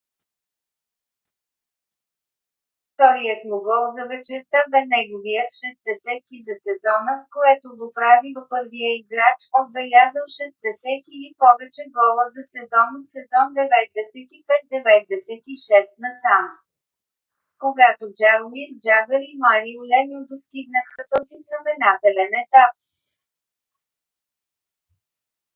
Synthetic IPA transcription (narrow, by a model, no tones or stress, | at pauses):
ft̪ɔɾijət̪moɡəlˠzɐvɛt͡ʃɛɾt̪əvɛnɛɡoviəʃɛsd̪ɛsɛt̪k̪izɐsɛzɔnəkoɛt̪oɡopɾavid̪opɤɾvijəiɡɾat͡ʃob̪vɛlʲazəlˠʃɛsd̪ɛsɛt̪ilipɔvɛt͡ʃɛɡɔlˠəzɐsɛzɔnsɛzɔnd̪ɛvɛt̪̚d̪ɛsɛt̪ipɛt̪̚d̪ɛvɛt̪̚d̪ɛsɛt̪iʃɛst̪nɐsanə | koɡat̪od͡ʒaɾomid͡ʒavəɾimaɾiolɛnod̪ost̪iɡnəxət̪ɔziznɐmɛnat̪ɛlɛnɛt̪ap̚